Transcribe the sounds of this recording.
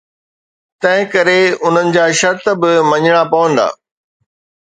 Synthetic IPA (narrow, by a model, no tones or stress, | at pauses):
t̪ɐ̃ɦɪ̃kɐɾeʊn̤ənɪ̆d͡ʑaːʃɐɾt̪̆bɪmɐɲəɽ̃apɐʋə̃nd̪a̰ː